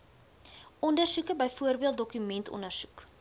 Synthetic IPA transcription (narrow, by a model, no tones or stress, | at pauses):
ɔndərsukəbəjfuərbiəlˠt̚dɔkymɛntɔ̰ndərsu̥k